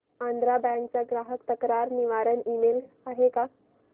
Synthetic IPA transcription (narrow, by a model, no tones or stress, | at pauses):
and̪ɾabɛ̃ŋk̚t͡saɡɾaɦəkt̪əkɾaɾniʋaɾənimel | aɦeka